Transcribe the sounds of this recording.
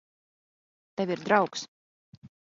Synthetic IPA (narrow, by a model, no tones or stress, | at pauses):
t̪ɛvʲiɾd̪ɾawks